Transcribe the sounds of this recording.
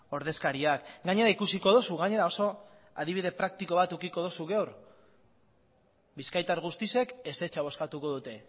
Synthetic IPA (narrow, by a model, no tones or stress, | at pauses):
o̞ɾðe̞skaɾiakɡaɲe̞ɾaikusiko̞ðosuɣaɲe̞ɾao̞so̞ | a̰ð̞iβiðe̞pɾak̚t̪iko̞β̞at̪ukiko̞ð̞osuɣewɾ | biskajt̪aɾɣust̪ise̞ke̞se̞t͡ʃaβ̞o̞skat̪uko̞ðut̪e̞